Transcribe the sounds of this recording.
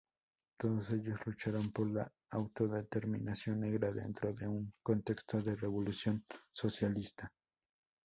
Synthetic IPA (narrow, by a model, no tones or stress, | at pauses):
t̪o̞ðo̞se̞ʎo̞zlut͡ʃaɾompo̞ɾla | awt̪o̞ðe̞t̪e̞ɾminasjo̞nːe̞ɣɾaðe̞̰nt̪ɾo̞ðe̞uŋko̞nt̪e̞kst̪o̞ðe̞re̞βo̞lusjo̞nso̞sjalist̪a